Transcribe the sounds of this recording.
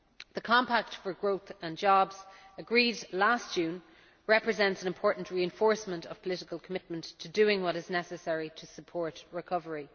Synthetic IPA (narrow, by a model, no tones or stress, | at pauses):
ðəkʰɑ̃mpak̚tfə˞ɡɹoʊθə̃nd͡ʒɑbz̥əɡɹiːdlastd̥ʒ̥ʉ̃ːn | ɹɛpɹəzɛ̃ntsə̃nɪ̃mpʰɔɹʔn̩ʔɹiɨ̃ɱfɔɹsmə̃ntə̰v̥pʰəlɪɾɪkəlˠkʰəmɪt̚mə̃ntʰədʉɪ̃ŋwɒɾɪznɛsəsɛɹiɾʰəsəpʰɔɹtɹɪkʰʌvəɹi